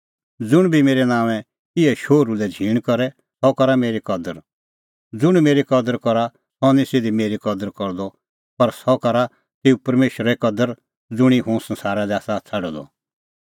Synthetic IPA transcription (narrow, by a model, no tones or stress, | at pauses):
d͡zʊɽ̃bʱimeːɾɛnãːʋɛ̃ | ɪɛʃoːɾulɛd͡zʱiːɽ̃kɔɾɛ | sɔkɐɾameːɾikɐd̪əɾ | d͡zʊɽ̃meːɾikɐd̪əɾkɔɾa | sɔnĩsed̪imeːɾikɔd̪əɾkɔɾd̪ɔ | pɐɾsɔkɐɾa | t̪eːupɐɾmeːʃɾɛkɐd̪əɾ | d͡zʊɽ̃iɦũsɐ̃nsaːɾad̪ɛaːsat͡sʰɐɖɔd̪ɔ̰